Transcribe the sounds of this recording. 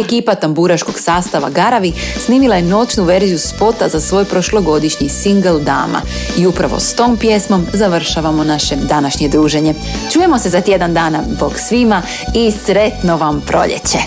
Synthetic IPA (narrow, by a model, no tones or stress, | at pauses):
ekiːpat̪ambuɾaʃko̞ɡ̥saːst̪aʋa̰ɡaɾaʋisniːmilˠaje̞no̞t͡ɕnuʋe̞ɾzijuspo̞t̪azasʋo̞jpɾo̞ʃlo̞ɡo̞d̪iʃɲisiŋɡelˠd̪a̰ːma̰ | iupɾaʋo̰st̪o̞ːmpje̞smo̞mzaʋr̩ʃaʋamo̞naʃe̞d̪anaʃɲe̞d̪ɾuːʒe̞ɲe̞ | t͡ʃuːje̞mo̞se̞zat̪je̞d̪and̪aːnazbo̞ɡsʋima | isɾe̞t̪noʋampɾo̞̰ʎḛt͡ɕe̞